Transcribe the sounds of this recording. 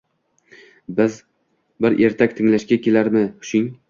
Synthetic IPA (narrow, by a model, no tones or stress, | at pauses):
bɪz | bɪɾʔeɾt̪ʰakʲt̪ʰɪŋlaʃkʲakʲʰelaɾmɪhʊ̥ʃɪŋ